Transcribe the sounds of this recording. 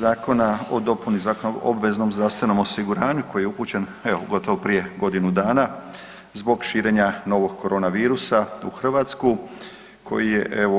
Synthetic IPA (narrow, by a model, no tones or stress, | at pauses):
zaːko̞nao̞d̪o̞punizaːkono̰bʋe̞zno̞mzd̪ɾast̪ʋe̞no̞mo̞siɡuɾaːɲuko̞jijeupuːt͡ɕe̞n | eoɡo̞t̪o̞ʋopɾije̞ɡo̞d̪inud̪aːna | zbo̞ɡʃiːɾe̞ɲano̞ʋo̞ɡkʰːo̞ɾʔo̞ːnaʋiːɾusaṵxr̩ʋaːt̪sku | kʰo̞̰jije̞ʔeʋo